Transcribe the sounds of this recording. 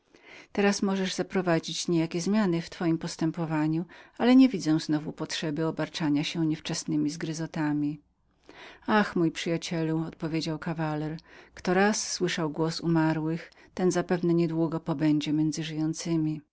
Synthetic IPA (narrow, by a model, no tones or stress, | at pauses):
t̪ɛɾasmɔʐɛʐzapɾɔvad͡ʑit͡ɕɲejakʲɛzmʲjanɘft̪fɔjimpɔst̪ɛmpɔvaɲualɛɲɛvʲid̪zɛw̃znɔvupɔtʂɛbɘɔbaɾt͡ʂaɲaɕɛɲɛft͡ʂɛsnɘmʲizɡɾɘzɔt̪amʲi | axmujpʂɘjat͡ɕɛluɔt̪pɔvʲjed͡ʑawkavalɛɾkt̪ɔɾasːwɘʂawɡwɔsṵmaɾwɘx | t̪ɛnzapɛvnɛɲɛd̪wuɡɔpɔbɛɲd͡ʑɛmʲjɛnd̪zɘʐɘjɔnt̪sɘmʲi